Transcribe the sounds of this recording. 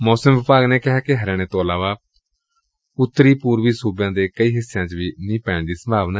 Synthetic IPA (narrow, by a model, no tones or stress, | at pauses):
mɔːsəmʋɪpaːɡneːkɪɦaːkɪɦəɾɛ̃ːɽ̃eːt̪õːəlaːʋaː | ʊt̪ːəɾiːpuːɾʋiːsuːbjãːd̪eːkəiːɦɪsːejãːt͡ʃʋiːnĩːpɛ̃ːɳd̪iːsə̃mbʱaːʋnaː